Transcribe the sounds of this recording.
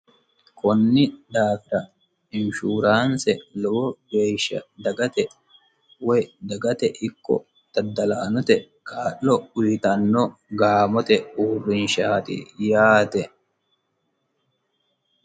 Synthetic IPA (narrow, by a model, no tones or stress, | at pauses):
kʰɔnːɪd̪aːfɪɾɐ | ɪnʃuːɾaːnsɛlɔbɔɡeːʃːɐ̰d̪ɐɡɐt̪ɛ | wɛjd̪ɐɡɐt̪ɛʔɪkːɔ̰ | t̪ɐd̪ːɐlaːnɔt̪ɛ | kʰaːʔːɔʊjt̪ɐnːɔɡaːmɔt̪ɛuːrːɪnʃaːt̪ɪ̰jaːt̪ɛ